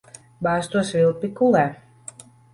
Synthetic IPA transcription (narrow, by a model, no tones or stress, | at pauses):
baːst̪uɔsvilˠpikulæ